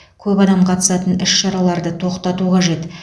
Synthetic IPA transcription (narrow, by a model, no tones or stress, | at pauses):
kʲʰɵpɑd̪ɑmqʰɑt̪ə̥sɑt̪ənɪʃʃɑɾɑlˠɑɾd̪ət̪ʰo̞qt̪ɑt̪uqʰɑʒe̞t̪